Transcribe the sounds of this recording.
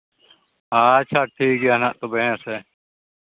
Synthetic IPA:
at͡ʃʰaʈʰiːkanaʔt̪obeɦãsɛː

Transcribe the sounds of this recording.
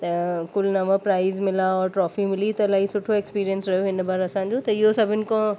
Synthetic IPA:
t̪ɐkʊlnɐʋəpɾaːɪzmɪlaɔːɾʈɾɔːfimɪlit̪ɐlaːisʊʈʰoekspiːɾijənsɾɐjoɦɪnbaːɾɐsãːɲ̆d͡ʑot̪ɐɪɦosɐbʱɪnɪkõ

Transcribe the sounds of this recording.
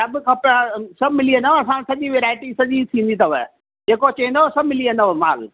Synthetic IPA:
ɐbkɐpasɐbmɪliẽnd̪aɐsãsɐʄiʋeːɾaːɪʈisɐʄit̪ʰĩːnd̪it̪ɐʋə̰ | d͡ʑeːkot͡ɕẽːnd̪osɐbmɪliẽnd̪oʋma̰ːl

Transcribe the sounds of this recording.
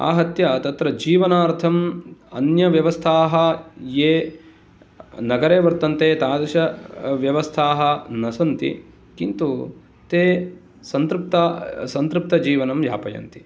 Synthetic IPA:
a̰ːɦɐt̪jɐt̪ɐt̪ɾɐd͡ʒiːʋɐnaːɾt̪ʰɐmɐ̰njɐʋjɐʋɐst̪ʰaːɦɐjeː | nɐɡɐɾeːʋɐɾt̪ɐnt̪eːt̪aːd̪ɐʃɐʋjɐʋɐst̪ʰaːɦɐ̆nɐsɐnt̪ḭ | kint̪u | t̪eː | sɐnt̪ɾup̚t̪asɐnt̪ɾup̚t̪ɐd͡ʒiːʋɐnɐmʋja̰ːpɐjɐ̰nt̪i̥

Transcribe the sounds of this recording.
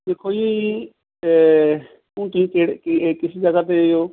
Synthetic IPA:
d̪eːkʰoːiei | ũːt̪ʊĩːkeːɽkɪsiːd͡ʒəɡaːt̪̬ejoː

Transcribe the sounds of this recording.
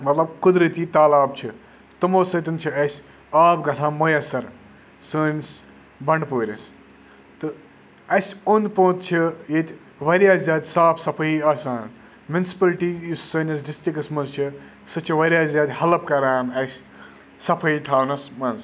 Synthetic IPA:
mɐt̪lɐb̚kud̪ɾɨt̪it̪aːlaːb̚t͡ʃʰi | t̪ɐmoːsɐt̪ɐnt͡ʃʰiɐsʲ | aːbɡɐsʰãːnmɐjɐsɐɾ | səːns | bɐɳɖpoːɾʲɐs | t̪ɨ | ɐsʲond̪põːt̪̚t͡ʃʰijet̪ʲ | ʋɐɾiaːzzaːd̪ʲsaːpʰsɐpʰɐiaːsaːn | mʲjunsi̥pɐlʈijusːɐːnʲɐsɖist̪ikɐsmɐnzt͡ʃʰi | sɨt͡ʃʰiʋɐɾʲaːzaːd̪ʲhɐlɐpkɐɾaːnɐsʲ | sɐpʰɐit̪ʰaːwnɐsmɐnz

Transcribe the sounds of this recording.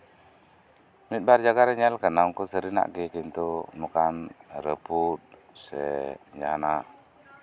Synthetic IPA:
mit̪̚bard͡ʒaɡaɾəɲɛlkənauŋkusəɾina̰ʔɡekint̪unukanɾəput̪̚ | sɛ̰ɲa̰na

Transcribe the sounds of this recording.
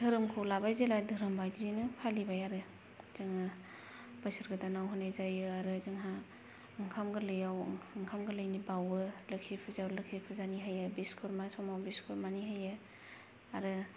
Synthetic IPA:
d̥ʱɯɾɯmkʰɯlabajzeladʱɯɾɯmbajdinɯpʰalibajaɾɯ | zɯŋa | b̥asɯɾɡɯdanawɦɯnajzajɯaɾɯzɯŋɦa | ɯŋkʰamɡɯlɯjawɯŋkʰamɡɯlɯjnibawɯlɯksipʰɯzawlɯksipʰɯzaniɦajabiskʰɔɾmasɔmawbiskʰɔɾmaniɦaja | aɾɯ

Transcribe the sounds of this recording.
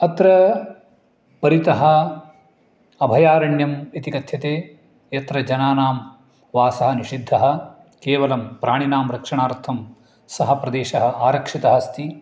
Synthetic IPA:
ɐt̪ɾɐ | pɐɾit̪ɐɦɐ̆ | ɐbʱɐjaːɾɐɳjɐmet̪ikɐt̪ʰjɐt̪eː | jɐt̪ɾɐd͡ʒɐnaːnaːm | ʋaːsɐɦɐ̆niʂid̪ʱːɐɦɐ̆ | keːʋɐlɐmpɾaːɳinaːmɾɐkʂɐɳaːɾt̪ʰɐm | sɐɦɐpɾɐd̪eːʃɐɦɐaːɾɐkʂit̪ɐɦɐst̪i

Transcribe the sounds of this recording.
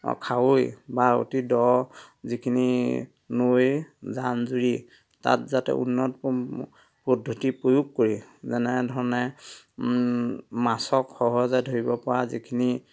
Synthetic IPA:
kʰawojbao̰tidɔzikʰini | nojzanzuɹi | ta̰tzatɛ̰ʔṵnːɔtɔ | podʱːutipɹojukkoɹizɛnɛdʱɔɹɔnɛ | masɔkxɔɦɔzajdʱoɹibɔpɔɹazḭkʰini

